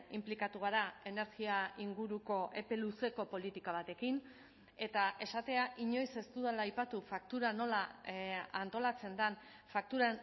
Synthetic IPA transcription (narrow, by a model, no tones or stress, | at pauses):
implikat̪uɣ̞aɾae̞ne̞ɾɣiaiŋɡuɾuko̞ʔe̞pe̞luse̞ko̞po̞lit̪ikaβ̞at̪e̞kin | e̞t̪aʔe̞sat̪e̞aʔiɲo̞jse̞st̪uðalaːjpat̪ufak̚t̪uɾano̞la | ant̪o̞lat͡se̞nd̪an | fak̚t̪uɾa